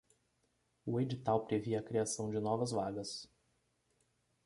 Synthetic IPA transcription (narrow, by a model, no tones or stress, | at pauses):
ʊed͡ʒit̪awpɾeviɐkɾiasɐ̃w̃d͡ʒɪnɔvɐzvaɡɐs